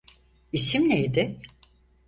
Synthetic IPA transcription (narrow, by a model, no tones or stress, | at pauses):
isimlʲejd̪ɪ